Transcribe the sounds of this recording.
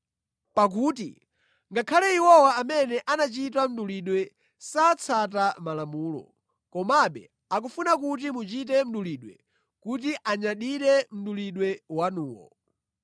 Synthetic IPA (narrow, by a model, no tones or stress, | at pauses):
pak̬uːtḭ | ŋɡakʰalɛiwɔwaːmɛnɛʔanat͡ʃit̬am̩ɗuliɗwɛ | sat͡sʰat̬amalamuːlɔ̰ | kɔmaɓɛ̰ | ak̬ufunakut̬imut͡ʃitɛm̩ɗuliɗwɛ̰ | kutiʔaɲaɗiɾɛm̩ɗuliɗwɛwanuːwɔ̰